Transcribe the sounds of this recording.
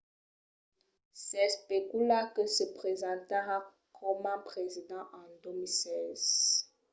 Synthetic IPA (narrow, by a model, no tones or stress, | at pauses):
sɛspekulakəsəpχezɑ̃t̪aa | kʰɔmãpχezid̪ɑ̃ʔɑ̃domisɛz̥